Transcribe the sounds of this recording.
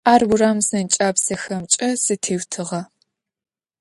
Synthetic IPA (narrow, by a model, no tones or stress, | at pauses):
aːrwuraːmsɐnt͡ʃʼaːpsɐxɐmt͡ʃʼɐsɨtʰeːwtʰɨʁɐ